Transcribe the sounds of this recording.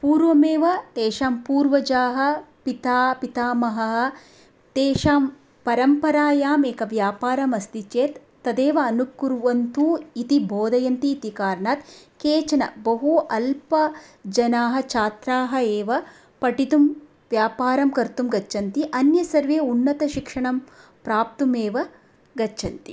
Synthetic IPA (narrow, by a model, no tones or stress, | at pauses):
puːɾʋɐmeːʋɐt̪eːʃaːmpuːɾʋɐd͡ʒaːɦɐ̆pit̪aːpit̪aːmɐɦɐɦɐ | t̪eːʃaːm | pɐɾɐmpɐɾaːjaːmeːkɐʋjaːpaːɾɐmɐst̪it͡ʃeːt̪ːɐd̪eːʋɐːnukːuɾuʋɐnt̪uːit̪ibʱoːd̪ɐjɐnt̪iːt̪ikaːɾɳaːt̪keːt͡ʃɐnɐ̰bɐɦuʔɐlpɐd͡ʒɐnaːɦɐ̆t͡ʃʰaːt̪ɾaːɦɐeːʋɐ | pɐʈit̪um | ʋjaːpaːɾɐmkɐɾt̪umɡɐt͡ʃʰɐnt̪iʔɐnjɐsɐɾʋeːunːɐt̪ɐʃikʂɐɳɐm | pɾaːp̚t̪umeːʋɐ | ɡɐt͡ʃʰɐnt̪i